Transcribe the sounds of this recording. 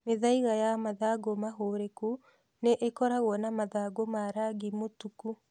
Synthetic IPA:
meðaiɣajamaðaɡomaɦoɾeku | neʔekɔɾaɣwɔnamaðaɡomaɾaɡimotuku

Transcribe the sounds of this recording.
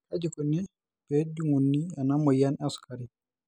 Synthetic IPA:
kad͡ʒikɔni | bed͡ʒuŋunːianamɔjanɛskaɾi

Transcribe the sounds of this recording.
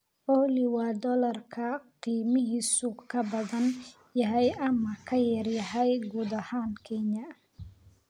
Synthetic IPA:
ʔɔlɪwɑːd̪ɔlɐrkʰɐqiːmɪɦiːsʊkʰɐbɐðɐn | jɐɦɛjʔɐmɐkʰɐjɐrjɐɦɛjɡuːd̪ɐhaːnkʰɛnɐ

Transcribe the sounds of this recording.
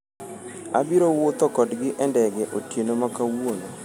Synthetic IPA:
a̰biɾowʊt̪ɔkɔdɡɪʔɛndɛɡɛʔotjenomakawono

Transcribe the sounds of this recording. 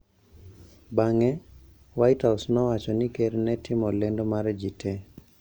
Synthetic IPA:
baŋɛ | wajthasnɔwat͡ʃɔnɪkeɾnɛtɪmɔlendomaɾd͡ʒitʰe

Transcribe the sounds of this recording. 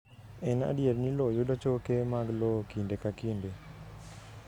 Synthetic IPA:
ɛna̰djeɾnilɔjodat͡ʃokemaɡlɔkindekakinde

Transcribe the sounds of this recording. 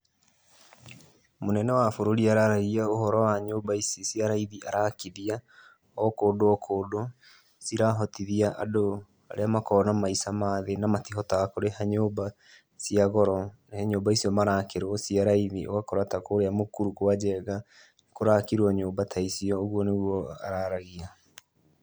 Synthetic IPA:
monɛnɛwafoɾoɾiaɾaɾaiaoɦɔɾɔwaɲoːbaisisiaɾaiðiʔaɾakiðia | ɔkoːdoɔkʰodo | siɾaɦɔtiðiaʔa̰do | a̰ɾeamakɔɾɔnamaisamaðenamatiɦɔtaakoɾehaɲoːba | siaɣɔɾɔnahɛɲoːbaisiɔmaɾaːkeɾɔsiaɾaiðiʔo̰ɣakoɾatakoːɾeamokuɾukoad͡ʒɛɣa | koɾakiɾwɔɲoːmbatʰaisiɔoɣuɔnewɔa̰ɾaɾaɣia

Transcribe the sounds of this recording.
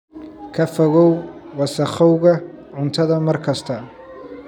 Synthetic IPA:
kʰɐfɔɣɔwwɑsɐχɔwɣɐ | ʕʊnt̪ʰɐðɐmɐrkʰɐst̪ʰɐ

